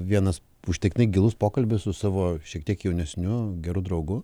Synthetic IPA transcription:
ʋʲiɛnɐs | ʊʃʲt̪ʲɛk̪ʲnɐɪɡʲɪlˠʊspoːkɐlʲbʲʊssʊsɑːʋoːʃʲiɛkt̪ʲiɛkjɛʊnʲɛsʲnʲʊɡʲɛɾʊd̪ɾɐʊɡʊ

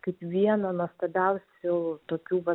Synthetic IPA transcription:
kɐɪpʋʲiɛnɐnuɔst̪oːbʲɛʊsʲʊt̪oːkʲuːʋɐ

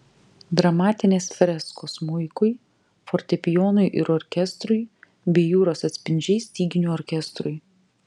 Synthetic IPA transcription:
d̪ɾɐmɑːt̪ʲɪnʲeːsfʲɾʲɛskoːsmʊɪkʊɪ | fɔɾʲt̪ʲɛpʲɪjoːnʊɪʔɪɾɔɾʲkʲɛst̪ɾʊɪ | bʲiɛjuːɾoːsɐt̪ʲsʲpʲɪnʲd͡ʒʲɛɪsʲt̪ʲiːɡʲɪnʲuɔɾʲkʲɛst̪ɾʊɪ

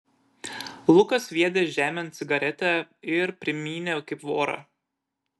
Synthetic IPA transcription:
lˠʊkɐsʋʲiɛd̪ʲeʒʲæːmʲɛnt̪sʲɪɡɐɾʲɛt̪ʲɛɪɾpʲɾʲɪmʲiːnʲekɐɪpʋoːɾɐ̰

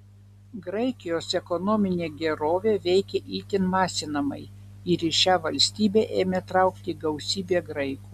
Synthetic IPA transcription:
ɡɾɐɪkʲɪjoːsɛkɔnoːmʲɪnʲeːɡʲɛɾoːʋʲeːʋʲɛɪkʲeʔiːt̪ʲɪnmɑːsʲɪnɐmɐ̰ɪ | ɪɾɪʃʲæːʋɐlʲsʲt̪ʲiːbʲeːʔeːmʲet̪ɾɐʊkt̪ʲiːɡɐʊsʲiːbʲeːɡɾɐɪkuː

